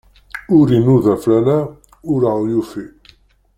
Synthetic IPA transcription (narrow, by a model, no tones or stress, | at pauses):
uɾinuðaflana | uɾaljufi